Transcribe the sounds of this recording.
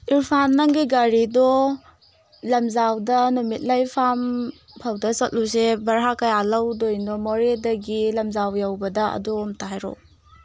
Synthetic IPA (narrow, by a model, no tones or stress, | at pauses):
iɾpʰanːaŋɡiɡaɾidɔ | lɐmzawdɐnumit̚lajpʰam | pʰawdɐsɐt̚lus̬ebɐɾɦakɐjalɐwdojnɔmoɾedɐɡilɐmzawjawbɐdɐɐ̰duːmtaɦajɾɔ̰